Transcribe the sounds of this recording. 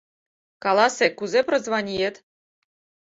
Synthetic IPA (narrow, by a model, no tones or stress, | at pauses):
kɑlˠɑsʲekuzeprŏzʋɑnʲijet̪